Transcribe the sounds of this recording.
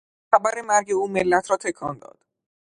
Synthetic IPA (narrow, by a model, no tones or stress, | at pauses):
xæbæɾe̞mæɾɟe̞uːme̞lːæt̪ʰɾɒːt̪ʰe̞kʰɒːnd̪ɒ̰ːd̪̥